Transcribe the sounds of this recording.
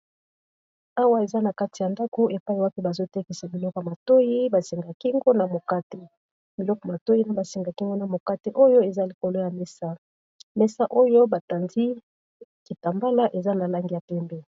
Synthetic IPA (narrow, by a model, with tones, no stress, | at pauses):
a˦wa˦e˨za˦na˨ka˦ti˨ja˨nda˦ko˦ʔe˨pa˦ji˨wa˦ki˦ba˨zo˦tɛ˦ki˨sa˨bi˨lɔ˦kɔ˨ma˨to˦ji˦ba˨se˨ŋɡa˨ki˦ŋɡo˦na˨mo˨ka˦te˦ | bi˨lɔ˦kɔ˨ma˨to˦ji˦na˦ba˨se˨ŋɡa˨ki˦ŋɡo˦na˨mo˨ka˦te˦ʔo˦jo˦e˨za˦li˨ko˨lo˦ja˨mɛ˦sa˦ | mɛ˦sa˦ʔo˦jo˦ba˨ta˨ndi˦ | ki˨ta˨mba˦la˦ʔe˨za˦na˨la˦ŋɡi˨ja˨pɛ˦mbɛ˦